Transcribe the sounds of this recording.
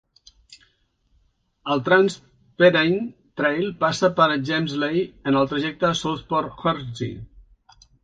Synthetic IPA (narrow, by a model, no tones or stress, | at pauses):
əlˠt̪ɾans | peɾejnt̪ɾejlˠpasəpəɾʒejmzlejənəlˠt̪ɾəʒɛk̚t̪əsoθpɔɾxɔɾzḭ